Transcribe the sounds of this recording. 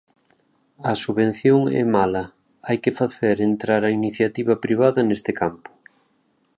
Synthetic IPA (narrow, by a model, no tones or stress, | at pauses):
ɐsuβen̟θjoŋɛ̰malɐ | ajkɪfaθeɾent̪ɾaɾɐiniθjat̪iβɐpɾiβ̞aðɐnest̪ɪkampʊ̥